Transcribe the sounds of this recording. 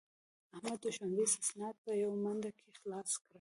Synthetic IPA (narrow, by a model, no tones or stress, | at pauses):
ahmad̪ːʊʃanbesɪsnɑd̪̚pəjawmand̪akʰexlɑskɽə